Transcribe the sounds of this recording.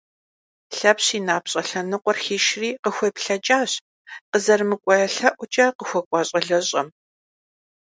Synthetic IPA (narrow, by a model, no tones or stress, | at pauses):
ɬɐpɕiːnaːpɕʼɐɬɐnɨqʷɔrxiːʃriːqəxʷɔpɬɐt͡ʃʼaːɕ | qəzɐrmɨkʷʼɔjɐɬɐʔʷʊt͡ʃʼɐqəxʷɔkʷʼɑɕʼɐɮɐɕʼɐm